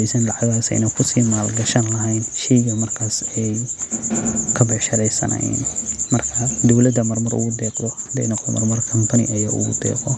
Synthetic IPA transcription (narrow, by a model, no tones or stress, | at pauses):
ɛjsɐnlɑʕɑɣaːsɛ̰jnɐkʰʊsiːmaːlɡɐʃɐnlɐɦɛjnʃɛjɣɐmɐrkʰaːsɛj | kʰɐbɛʕʃɐɾɛjsɐ̰nɐ̰ɛ̰nmɐrkʰɐd̪ɔwlɐd̪ɐmɐrmʊɾʔʊ̰ɣʊd̪ɛːqd̪ɔhd̪ɛ̰jnɔqd̪ɔmɐrmʊrkʰɐmpʰɐnɪ̰ʔɐjɐʔʊ̰ɣʊ̰d̪ɛ̰ːqɔ